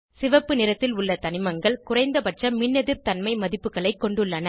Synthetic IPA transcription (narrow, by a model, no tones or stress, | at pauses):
sɪʋɐpːɯnɪɾɐt̪ːɪlʊɭːɐt̪ɐnɪmɐŋɡɐɭkʊrɐɪnd̪ɐpɐʈrɐmɪnːɐðɪɾt̪ɐnmɐɪmɐðɪpːɯɣɐɭɐɪkːɔɳɖɯɭːɐnɐ